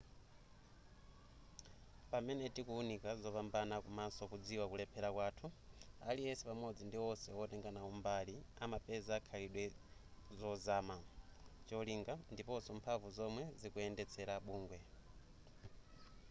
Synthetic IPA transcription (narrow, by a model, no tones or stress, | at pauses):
pamɛnɛtikuunikazɔpambanakumasɔkud͡ziwakulɛpʰɛɾakwaːtʰua̰liɛsɛpamɔd͡zindiwɔsɛɔtɛŋɡanaumbaliamapɛzaːkʰaliɗwɛzɔzaːmat͡ʃɔliŋɡandipɔsɔmpʰavuzɔmwɛzikuɛndɛt͡sʰɛɾaɓuːŋɡwɛ